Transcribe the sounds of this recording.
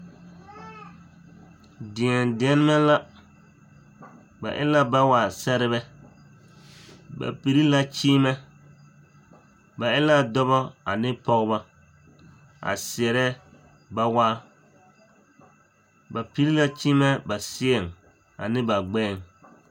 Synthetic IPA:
dɪ˨ɛ˨ndɪ˨ɛ˦n˦ma˦la˦ | ba̰˨ʔɪ̰˦la˦ba˦wa˨sɛ˦ɾɪ˦βɛ˦ | ba̰˨pi˨ɾi˦la˦t͡ʃiː˦mɛ˦ | ba˨ɪ˦la˦dɔ˦bɔ˦a̰˨nɪ˦pɔ˦ɣba˦ | a̰˨sɪ˨ɛ˨ɾɛ˦ | ba˦waː˦ | ba˨pi˦ɾi˦la˦t͡ʃiː˦mɛ˦ba˨sɪ˦ɛ˨ŋ | a̰˨nɪ˦ba˨ɡ͡bɛː˦˨ŋ

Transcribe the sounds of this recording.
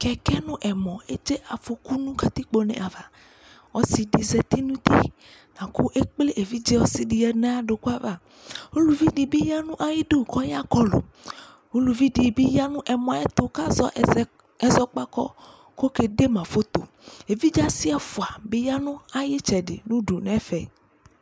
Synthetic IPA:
kɛ˨kɛ˦nũ˦ʔɛ˨mɔ̃˨e˦d͡ʒe˦ʔa˨fo˨ku˦nũ˦ka˦t̪i˦k͡po˨nɛ̰̃˨a˨va˨ | ɔ˦si˨ɖi˨zɛ˨t̪i˦nũ˦t̪ḭ˦ | nã˨ku˦ʔe˦k͡ple˦ʔe˨vi˦d͡ʒe˦wɔ˦si˦ɖi˨ɛ˨nã˦a˦ɖo˨ku˦a˦va˨ | ho˦lu˨vi˦ɖi˨bi˦ja˦nũ˦ʔa˨jɪ˦ɖe˦˨kɔ˦ja˦kɔ˦lo̰˨ | ho˦lu˨vi˦ɖi˨bi˦ja˦nũ˦ʔɛ˨mɔ̃˨a˨ɛ˦t̪o˨ka˦zɔ˦˨ | ɛ˨zɔ˦k͡pa˦kɔ̰˦ | ko˦ke˨ɖe˦mã˨fo˦t̪o̰˨ | e˨vi˦d͡ʒa˦si˦ɛ˦fo˨a˨be˦ja˦nũ˦a˨je˦t͡ʃɛ˨ɖḛ˨nũ˦ɖu˨nɛ̃˦fɛ̰˨

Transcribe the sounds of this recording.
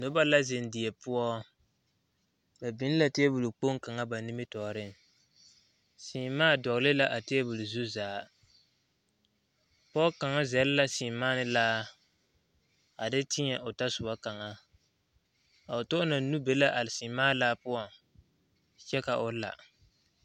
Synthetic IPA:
nʊ˦ba˦la˦zɪ˨n˨dɪ˨ɛ˨pʊ˦ɔ˦ | ba˨bi˦n˦la˦te˦bʊ˨lu˨k͡po˦ŋ˦ka˨ŋa˦ba˨ni˦mɪ˦tɔː˨ɾɪ˦ŋ˨ | si˨˦maː˦dɔ˨ɣlɪ˦la˦ʔa˨te˦ɛ˦bʊ˨lu˨zu˦zaː˨ | pɔ˦ka˨ŋa˦zɛ˨lla˦siː˨maː˦nɪ˦laː˦ | a˨dɪ˦tɪ˦ɲɛ˨ʔʊ˨ta˦sʊ˨ba˦ka˨ŋa˦ | a˨ʊ˨tʊ˦ʔʊ˦na˨˦nu˦be˦la˦ʔa˨lɪ˨si˨maː˦laː˦pʊ˦ɔ˦ | t͡ʃɛ˦ka˨ʔʊ˦la̰˨

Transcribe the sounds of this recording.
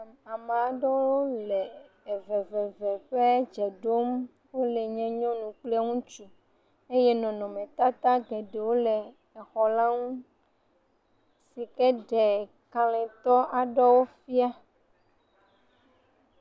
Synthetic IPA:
a˨ma˨a˨ɖɔ˦wwo˦lɛ˨ | e˨vɛ˨vɛ˨vɛ˨ɸe˦d͡ʒɛ˨ɖo˦m | wo˦lɛ˨ɲɛ̃˦ɲɔ̃˦nũ˨k͡plɛ˦ŋũ˦t͡ʃu˨ | e˦jɛ˦nɔ̃˨nɔ̃˨mɛ̃˨t̪a˦t̪a˦ɡɛ˨ɖe˨wo˦lɛ˨ | ɛ˨xɔ˨la˦ŋũ˦ | si˨kɛ˦ɖɛ˨ | ka˨lɛ̃˨t̪ɔ˦ʔa˨ɖɔ˦wo˦fi˦a˦

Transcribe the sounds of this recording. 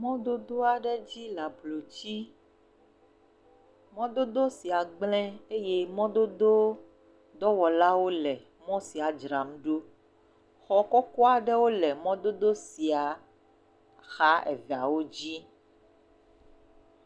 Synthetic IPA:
mɔ̃˦d̪o˦d̪o˦a˨ɖɛ˦d͡ʑi˦la˨blo˨t͡ɕi˦ | mɔ̃˦d̪o˦d̪o˦si˨a˨ɡ͡blɛ̃˦e˦je˦mɔ̃˦d̪o˦d̪o˦ | d̪ɔ˦wɔ˨la˦wo˦lɛ˨ | mɔ̃˦si˨a˨d͡ʒɾa˨m˦ɖo˦ | xɔ˨kɔ˦kɔ˦a˨ɖɛ˦wo˦lɛ˨mɔ̃˦d̪o˦d̪o˦si˨a˨ | xa˦ɛ̰˨vɛ˨a̰˨wo˦d͡ʑi˦

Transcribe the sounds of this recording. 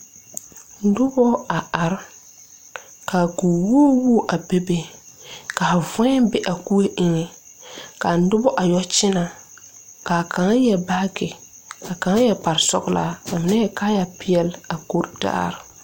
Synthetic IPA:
n̩˦dʊ˦bɔ˦a˨a˨ɾ | ka˨ɡuː˨woː˦wu˦ʔa˨be˦be˨ka˨vʊ˦ɛ˦bɛ˦ʔa˨ku˦e˦ʔɪ˦ŋɛ˨ | ka˨n̩˦dʊ˦bɔ˦ʔa˨jɔ˦t͡ʃɪ˦na˨ | ka˨ka˨ŋ˦jɛ˨ba˦ɡɪ˨ | ka˨ka˨ŋa˦jɛ˨pa˨ɾsɔ̰˦ɡla̰˦a˨mɪ˨˦nɛ˦jɛ˦kaː˦ja˨pɪ˦ɛ˦la˨ko˦ɾda̰ː˦ɾ

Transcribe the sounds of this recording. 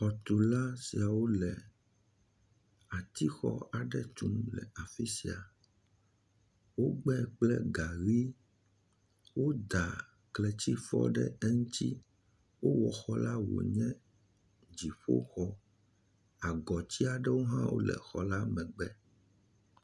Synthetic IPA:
xɔ˨t̪u˨la˦si˨a˨wo˦lɛ˨ | a˨t̪i˦xɔ̰˦a˨ɖɛ˦t̪u˨˦mlɛ̰˨a˨fi˦si˨a˨ | wo˦ɡ͡bɛ˦˨k͡plɛ˦ɡa˨ɣi˦ | wo˦d̪a˨ | klɛ˨t͡ɕi˦fɔ̰˦ɖɛ˦ɛ˦ŋũ˦t̪i˦ | wo˦wɔ˨xɔ˦la˦wo̰˨ɲɛ̃˦ | d͡ʑi˨ɸo̰˦xɔ˦ | a˨ɡɔ˨t͡ɕi˦a˨ɖɛ˦wo˦ɦã̰˦wo̰˦lɛ̰˨xɔ˨la˦mɛ̃˨ɡ͡bɛ˦

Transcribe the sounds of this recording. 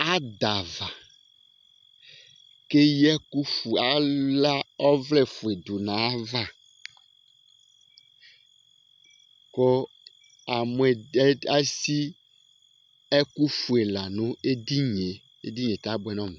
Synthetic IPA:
a˦d̪a˨va˨ | ke˦jɛ˦ku˦fu˨a˨la˦ɔ˦vlɛ˦˨fu˨e˨d̪u˨nã˨a˦va˦ | kɔ˦ | a˨mɛ˨˦a˦si˦ | ɛ˦ku˦fu˨e˨la˨nõ˦e˦d̪i˦ɲe˨ | e˦d̪i˦ɲ˨ẽ˨t̪a˦bo˦ɛ˦nɔ̃˦˨mẽ˨

